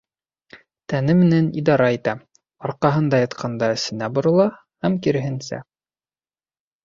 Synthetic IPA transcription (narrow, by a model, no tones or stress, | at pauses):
t̪ænɘmɘ̆nænḭd̪ɑɾɑit̪æ | ɑɾqɑɦɤnd̪ɑjɑt̪qʰɑnd̪ɑɘ̆sɘ̆næbŏɾɤ̆lˠɑ | hæmkiɾɘ̆ɦɘ̆nsæ̰